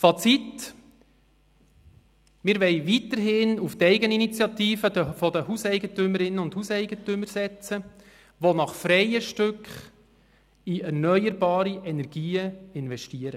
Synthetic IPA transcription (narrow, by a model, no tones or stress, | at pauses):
fɑt͡sit̪ | mɪɾʋɛɪʋit̪əɾɦɪnuft̪ɛɪɡəninit͡sjɑt̪iːfəd̥̪əfɔd̪əhusɛɪɡətʏməɾɪnːəʊnd̥husɛɪɡət̪ʏməɾsɛt͡sə | ʋonɑχfɾɛjəʃtʏkχ | iɛrnœʏəɾbɑːɾiʔɛnɛɾɡ̥iːəɪnvɛʃtiəɾə